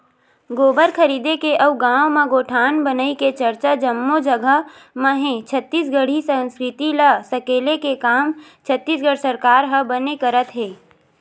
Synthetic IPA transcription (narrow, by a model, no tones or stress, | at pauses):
ɡoːbəɾkʰəɾiːd̪ekeʔɐʋɡãːʋmẽɡoːʈʰaːnbənəiket͡ʃəɾt͡ʃad͡ʒəmːod͡ʒəɡəɦ | məɦẽt͡ʃʰət̪ːiːsɡəɽ̤isə̃nskɾɪt̪iləsəkeːlekekaːmt͡ʃʰət̪ːiːs̬ɡəɽ̤səɾkaːɾɦəbənekəɾət̪ɦeː